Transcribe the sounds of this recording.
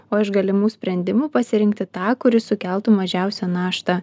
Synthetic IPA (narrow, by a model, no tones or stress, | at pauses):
oːɪʃɡɐlʲɪmuːsʲpʲɾʲɛnʲd̪ʲɪmuːpɐsʲɪɾʲɪŋkt̪ʲɪt̪ɑːkʊɾʲɪsʊkʲɛlˠt̪ʊmɐʒʲæˑʊsʲænɑːʃt̪ɐ